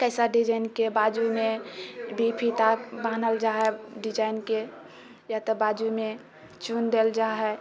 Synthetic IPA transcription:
kəɪsəɖid͡ʒainkebad͡ʒumebʱipʰit̪abanəld͡ʒaɦɛɖid͡ʒainke | jat̪ɔbad͡ʒume | t͡ʃund̪eld͡ʒaɦɛ

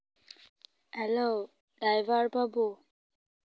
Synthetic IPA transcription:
hɛlo | ɖajvaɹbʱabu

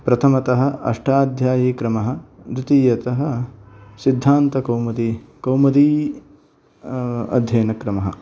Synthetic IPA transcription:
pɾɐt̪ʰɐmɐt̪ɐɦɐ̆ɐ̰ʂʈʰaːd̪ʱjaːjiːkɾɐmɐɦɐ̆d̪ɾut̪iːjɐt̪ɐɦɐ̆sid̪ʱːaːnt̪ɐkɐwmɐt̪ikɐwmɐt̪iː | ɐ̰d̪ʱjɐːnɐkɾɐmɐɦɐ̰̆

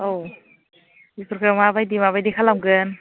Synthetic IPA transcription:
ow | dipʰɾoɡɾamabajdimabajdikʰalamɡɯn

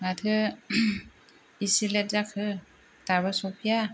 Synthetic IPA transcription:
ŋat̪ʰɯ | isilɛt̚zakʰɯ | t̪aβasopʰia

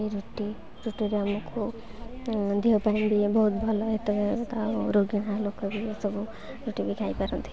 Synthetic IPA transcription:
eiɾuʈi | ɾuʈoɾamɔkʰo | d̪ʱiopanibibɔɦut̪bʱɔlɔet̪ɔbet̪aɾoɡiɽ̃alokɔbisɔbu | ɾuʈibikʰajpaɾɔnt̪ʰi̥

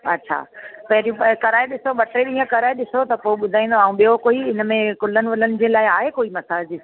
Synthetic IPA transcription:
ɐ̰tːɕʰa̰pɐɦɪɾijũkɐɾaːeɗɪsoɓɐʈɾeɗĩːə̃kɐɾaːeɗɪsot̪ɐpoːɓʊd̪ʱaːĩn̆d̪oaːũɓijokoːiɪnəmẽkʊlənɪ̆ʋɐlənɪ̆d͡ʑẽːlaːɪaːɦekoːimɐsaːd͡ʑi

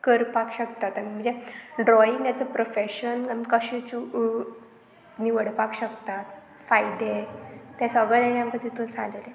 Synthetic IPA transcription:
kəɾpakɕəkt̪at̪ːəmim̤ə̃ɳd͡zeɖɾɔiŋɡjat͡səpɾofeɕənmkəɕit͡ɕu | niʋəɽpakɕəkt̪at̪ | fajd̪et̪jasəɡɭəd̪eɳjamkəd̪it̪ʰunsã̰ŋɡle

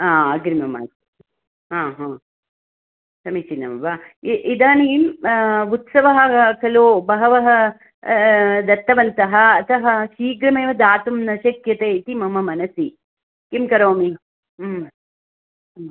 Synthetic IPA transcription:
aːɡɾimɐma̰ːs | ɦãːɦãː | sɐmit͡ʃinːɐ̰mɐʋaiʔid̪aːniːmut̪sɐʋɐɦɐkɐloːbɐɦɐʋɐɦɐ | d̪ɐt̪ːɐʋɐnt̪ɐɦɐ̆ɐt̪ɐɦɐʃiːɡɾɐmeːʋɐd̪aːt̪umnɐʃɐkjɐt̪eːit̪imɐmɐmɐnɐsi | kimkɐɾoːmi | m

